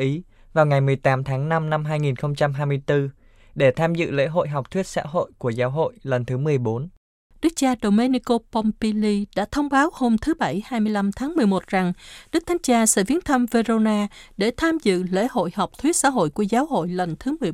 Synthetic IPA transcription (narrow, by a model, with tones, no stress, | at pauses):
ʔi˨˦ | vaː˨˩wŋa˨˩jmɨ˨˩əjt̪aː˨˦mt̪ʰaː˨˦ŋna˧mna˧mɦaː˧jŋi˨˩nxə˧wŋ͡mt͡ɕa˧mɦaː˧jmɨ˧əjt̪ɨ˧ | ɗe˧˩t̪ʰaː˧mzɨ̰˧˨lḛ˧˥ɦo̰˧˨jɦa˨˩wk͡p̚t̪ʰwi˦˥t̚sa̰ː˧˥ɦo̰˧˨jku˧˩əzaː˨˦wɦo̰˧˨jlə˨˩nt̪ʰɨ˨˦mɨ˨˩əjɓo˨˦n | ɗɨ˦˥k̚t͡ɕaː˧ɗo˨˩wme˧ni˧ko˧pɔ˧mpi˧li˧ɗa̰ː˧˥t̪ʰə˧wŋ͡mɓaː˨˦who˧mt̪ʰɨ˨˦ɓa˧˩jhaː˧jmɨ˧əjla˧mt̪ʰaː˨˦ŋmɨ˨˩əjmo˨˩t̚z̥a˨˩ŋɗɨ˦˥k̚t̪ʰŋ̟t͡ɕaː˧sɛ̰˧˥vi˨˦ənt̪ʰə˧mve˧zo˧naː˧ɗe˧˩t̪ʰaː˧mzɨ̰˧˨lḛ˧˥ho̰˧˨jha˨˩wk͡p̚t̪ʰwi˦˥ət̚sa̰ː˧˥ɦo̰˧˨jku˧˩əzaː˨˦wɦo̰˧˨jlə˨˩nt̪ʰɨ˨˦mɨ˨˩j